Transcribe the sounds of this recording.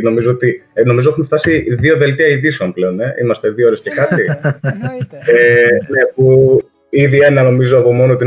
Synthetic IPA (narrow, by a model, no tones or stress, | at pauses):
no̞mizoot̪ino̞mizo̞exumft̪ɐsiðio̞ðe̞lt̪eɐiðiseonple̞o̞ne̞ʔḭmɐst̪e̞ðioɾesce̞kɐt̪i | ene̞pu | iðie̞nɐno̞mizoɐpo̞mo̞noo̞t̪i